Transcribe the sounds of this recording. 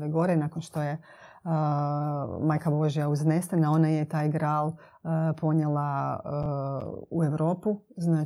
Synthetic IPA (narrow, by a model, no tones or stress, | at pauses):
ʋeɡo̞ɾenakonʃt̪o̞je | majkabo̞ʒijauzne̞st̪enao̞najet̪aːjɡɾaːlˠ | pʰo̞ɲelˠa | ue̞ʋɾo̞ːpuznaː